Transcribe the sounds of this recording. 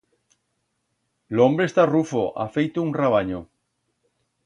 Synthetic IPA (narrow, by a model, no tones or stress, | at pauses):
loombɾest̪arufoʔa̰fejt̪ouŋraβ̞aɲo